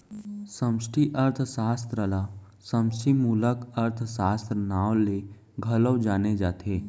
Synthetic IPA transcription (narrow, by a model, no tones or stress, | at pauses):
sə̃msʈʰiʔəɾt̪ʰsaːst̪ɾəla | sə̃msʈimuːləkəɾt̪ʰsaːst̪ɾənaːwle | ɡʱɐləwd͡ʒaːned͡ʒaːt̪ʰeː